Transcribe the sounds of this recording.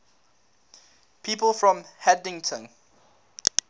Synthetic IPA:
pʰiːpəlˠfɹɔ̃mhɛdɪ̃ŋtʰə̃n

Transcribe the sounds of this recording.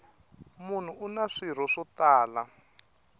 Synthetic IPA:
mun̤uʔunaʂiɾ̤ɔʂɔt̪aːla

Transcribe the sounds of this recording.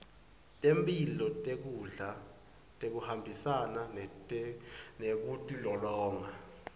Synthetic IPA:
tʼempʼilɔtʼek̬uɮa | tʼek̬uhambʱisanan | nek̬utʼilɔlɔːŋa

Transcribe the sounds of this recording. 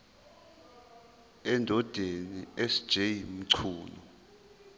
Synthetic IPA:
ɛndʱɔd̥ʱeniesi̥d̥ʒ̥ʱejim̩ǀʰuːnɔ

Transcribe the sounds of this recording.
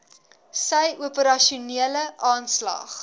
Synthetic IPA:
səjuəpəɾɐʃuniələʔɑːnslɑ̰ːχ

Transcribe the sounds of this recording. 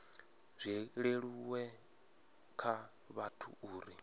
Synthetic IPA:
z̥ʷiɺeɺuwɛ | kʰa | βatʰṵuːɾi

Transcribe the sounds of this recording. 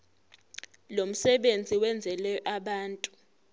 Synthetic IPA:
lom̩sɛɓend͡zʱiwɛnd͡zʱɛlɛjɔʔaɓaːntʼu

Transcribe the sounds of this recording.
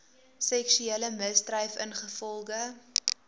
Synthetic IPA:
sɛkʃyeːləməsdrɐjfə̰nχəfɔlˠɡə

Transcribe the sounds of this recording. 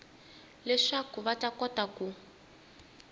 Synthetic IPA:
lɛʂakuβatakɔtaku

